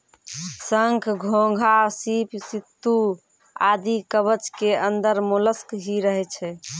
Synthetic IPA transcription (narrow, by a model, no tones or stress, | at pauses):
səŋkʰɡʱõɡʱasipsit̪ːu | ad̪ikəβət͡ʃkeənd̪əɾmuləskɦiɾəɦɛt͡ʃʰɛ